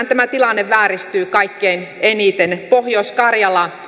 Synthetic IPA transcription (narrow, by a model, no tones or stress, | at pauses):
nt̪æmæt̪ilɑnːeʋːæːrist̪yːkɑikːeːnenit̪enpohjoskɑrjɑlɑ